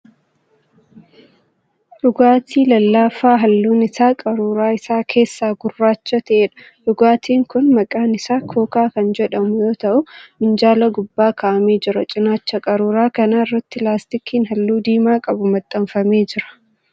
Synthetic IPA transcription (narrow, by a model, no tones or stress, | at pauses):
ᶑʊɡaːt̪ʰiːlɐlːaːfaːɦɐlːuːnɪsaːkʼɐɾuːɾaːɪsaːkʰe̞ːsːaːɡʊrːaːt͡ʃːɐt̪ɐʔeːᶑɐ̥ | ᶑʊɡaːt̪ʰiːŋkʊnmɐkʼaːnɪsaːkʰo̞ːkaːkɐnd͡ʒɛᶑɐmʊjo̞ːt̪ɐʔʊmɪnd͡ʒaːlɐɡʊbːaːkʰaːʔɐme̞ːd͡ʒɪɾɐt͡ʃʼɪnaːt͡ʃːɐkʼɐɾuːɾaːkɐnaːɪrːɐt̪ːɪlaːst̪ɪkʰiːnɦɐlːuːd̪iːmaːkʼɐbʊmɐt̪ʼːɐɱfɐme̞ːd͡ʒɪɾɐ̥